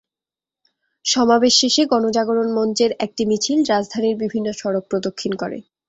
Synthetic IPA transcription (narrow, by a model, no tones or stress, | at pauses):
ʃɔmabeʃːeʃeɡɔnod͡ʑaɡoɾonmɔnt͡ɕeɾɛk̚ʈimit͡ɕʰilɾad͡ʑd̪ʱaniɾbibʱinːoʃɔɾok̚pɾod̪okʰːinkoɾḛ